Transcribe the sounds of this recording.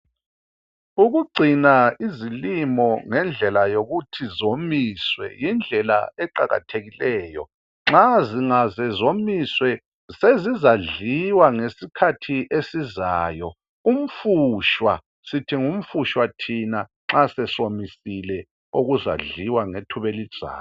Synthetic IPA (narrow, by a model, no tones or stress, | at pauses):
uɣuɡ͡ǀʱinaizilimɔŋɛnd͡ɮʱɛlajoɣutʰizomiːswɛ̰jind͡ɮʱɛla̰ɛǃaɣa̰tʰeɣilɛːjɔ̰ | ŋ͡ǁaziŋazɛzomiswɛ | sezizaɮiwaŋesikʰatʰiʔesizaːjɔ | um̩fuʃwa̰ | sitʰiŋum̩fuʃwatʰinaŋ͡ǁasɛsomisilɛ | oɣuza̰ɮiwaŋetʰuβelid̥ʒ̥ʱa̰ːw